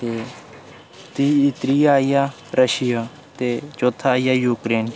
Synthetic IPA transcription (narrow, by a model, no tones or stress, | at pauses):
t̪eː | t̪iːɪt̪ɾijaːijaː | ɾəʃɪjaː | t̪eːt͡ʃoːt̪ʰːaːijaːjuːkɾeːn